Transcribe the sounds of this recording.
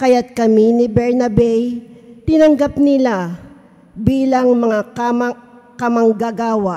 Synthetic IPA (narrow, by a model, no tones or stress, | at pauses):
kɐjat̪̚kɐminɪbɛɹnɐbɛjt̪ɪnɐŋɡapnɪla | biːlɐŋmɐŋakamɐ | kɐmɐŋɡaɡaːwa